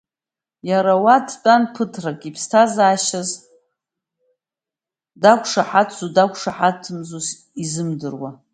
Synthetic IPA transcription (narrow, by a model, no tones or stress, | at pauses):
jaɾawadʰtʼanpʰɨtʰrakʼipʰstʰazaːʃaz | dakʷʰʂaħatʰt͡sudakʷʰʂaħatʰːɨmzus | izɨmdɨrwa